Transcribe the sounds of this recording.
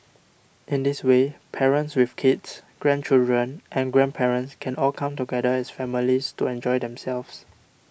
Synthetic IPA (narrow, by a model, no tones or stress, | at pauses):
ʔɪ̃ndiswepʰɛɹə̃ntswifkʰidsɡ̥ɹɛ̃nt͡ʃildɹə̃nʔɛ̃nɡɹɛ̃npʰɛɹə̃ntskʰɛ̃nɔlkʰãmtuɡɛdəɛsfɛmilistuɛ̃nd͡ʒɔjdɛ̃msɛlfs